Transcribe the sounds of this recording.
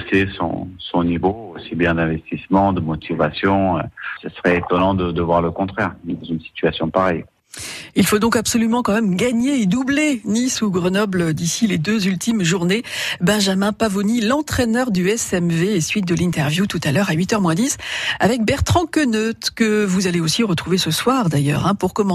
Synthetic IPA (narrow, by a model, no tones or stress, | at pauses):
sesɔ̰̃sɔ̃nivoosibjɛ̃d̪ɛ̃vɛst̪ismɑ̃d̪əmɔt̪ʰivasjɔ̃əsəsə̥ʁɛet̪ɔnɑ̃d̪əd̪əvwaʁləkɔ̃t̪χɛʁd̪ɑ̃zynsi̥t̪ɥasjɔ̃paʁɛj | ilfod̪ɔ̃kabsɔlymɑ̃kɑ̃mɛmɡaɲeːd̪ublenisuɡʁənɔbləd̪isiled̪øzylt̪imʒuʁnebɛ̃ʒamɛ̃pavonilɑ̃t̪χɛnœʁd̪yɛsɛmveːsɥit̪̚d̪əlĩt̪ɛʁvjut̪ut̪alœʁaɥit̪œʁmwɛ̃d̪isavɛk̚bɛʁt̪χɑ̃kənøt̪kəvuzaleosiʁət̪χuvesəswaʁd̪ajœ̰ːʁɛ̃puʁkɔmɑ̃